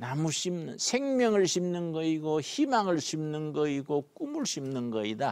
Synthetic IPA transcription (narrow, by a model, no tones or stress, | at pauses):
namuɕimnɯnsʰeŋmjʌŋɯɭɕʰimnɯnɡʌiɡoçimaŋɯɭɕʰimnɯnɡʌiɡok͈umɯɭɕʰimnɯnɡʌida